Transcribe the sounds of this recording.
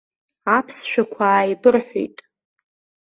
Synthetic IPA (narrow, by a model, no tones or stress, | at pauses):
apʰsʃᶣakʷʰaːjbɨrħʷo̰jtʼ